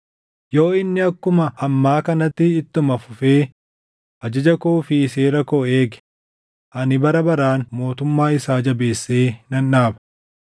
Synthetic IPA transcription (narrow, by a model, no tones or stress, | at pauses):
jo̞ːɪnːɪɐkːʊmɐʔːmːaːkɐnɐt̪ːɪːt̪ːʊmɐfʊfe̞ː | ʔɐd͡ʒɐd͡ʒɐkoːfɪseːɾɐkoːeːɡɛ̥ | ʔɐnɪbɐɾɐbɐɾaːnmo̞ːt̪ʊmːaːɪsaːd͡ʒɐbe̞ːsːeːnɐnːaːbɐ̥